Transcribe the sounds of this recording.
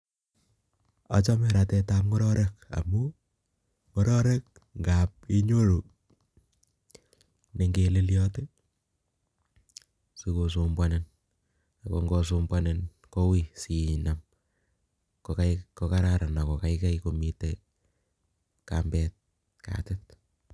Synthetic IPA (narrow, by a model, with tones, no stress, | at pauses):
a̰˨t͡ʃɔ˦mɛ˨ɾa˨tɛ˧ta˦p̚ŋɔ˦ɾɔ˦ɾʔɛ˦ka̰˨mu˦ | ŋɔ˦ɾɔ˦ɾɛ˦k̚ | ŋɡap̚e˦ɲo˦ɾo˨ | ne˨ŋɡe˨le˦ljɔte˦ | si˦ko˨su˦mbwanen | a˨kɔ̰˨ŋɡɔs̬u˦mbwanen | ko˦wi˦si˨na˨m | kokakɔ˦kaɾaɾa˨na˨kɔ˨ka˨ika˦iko˨mi˨te | ka̰mbɛt̚ | ka̰˨tɪt̚